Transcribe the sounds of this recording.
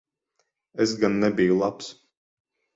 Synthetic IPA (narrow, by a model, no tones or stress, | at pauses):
ɛsɡanːɛbʲijulˠaps